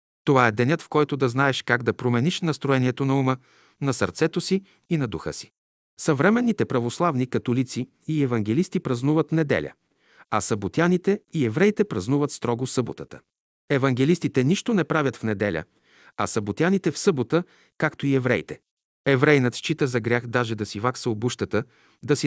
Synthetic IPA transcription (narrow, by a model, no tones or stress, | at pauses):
t̪ovaɛd̪ɛnʲɤt̪fkɔjt̪od̪ɐznaɛʃkaɡd̪ɐpɾomɛniʃnɐst̪ɾoɛniɛt̪onɐumə | nɐsəɾt̪sɛt̪osiː | nɐd̪uxɤ̰si̥ | sɐvɾɛmɛnːit̪ɛpɾɐvoslˠavnikɐt̪olit̪siː | ɛvɐŋɡʲɛlist̪ipɾɐznuvət̪nɛd̪ɛ̰lʲə̰ | ɐsɐbot̪ianit̪ɛiɛvɾɛjt̪ɛpɾɐznuvət̪st̪ɾɔɡosɤbo̰t̪ət̪ə̥ | ɛvɐŋɡɛlist̪it̪ɛniʃt̪onɛpɾavʲɐt̪fnɛd̪ɛlʲə̰ | ɐ̰sɐbot̪ianit̪ɛfsɤbot̪ə | kakt̪oiɛvɾɛ̰jt̪ɛ | ɛvɾɛjnət̪ʃt͡ʃit̪əzɐɡɾʲaxd̪aʒɛd̪ɐsivaksəobuʃt̪ət̪ə | d̪ɐsi